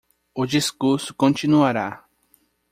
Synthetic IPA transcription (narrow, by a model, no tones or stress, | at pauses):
ʊd͡ʒiskuɾsʊ̥kõnt͡ʃinuaɾa